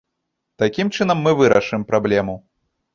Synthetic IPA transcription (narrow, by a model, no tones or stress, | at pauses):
t̪akʲimt͡ʂɨnɐmːɨvɨɾɐ̰ʂɨmpɾablʲɛmu